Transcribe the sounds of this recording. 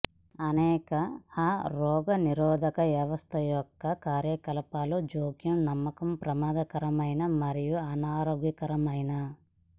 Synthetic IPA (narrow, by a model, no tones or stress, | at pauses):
ɐnɛːkɐaɾɔːɡɐniɾɔːd̪ʱɐkɐʋjɐʋɐst̪ʰɐjɔkːɐkaːɾjɐkɐlɐpaːlud͡ʒoːɡjɐmnɐmːɐkɐmpɾɐmaːd̪ɐkɐɾɐmɐjnɐmɐɾijuɐnaːɾoːɡjɐkɐɾɐmɐjnɐ